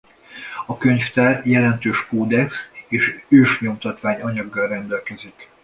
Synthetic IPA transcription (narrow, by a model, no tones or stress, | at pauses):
ɒkø̞ɲft̪ɛrjɛlɛnt̪øːʃkoːd̪ɛkseːʃøːʃɲo̞mt̪ɒt̪ʋaːɲɒɲɒɡːɒrɛnd̪ɛlkɛzik